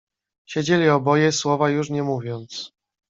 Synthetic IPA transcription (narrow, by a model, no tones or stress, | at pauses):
ɕɛd͡ʑelʲiɔbɔjɛswɔvajuʂɲɛmuvʲjɔnt̪s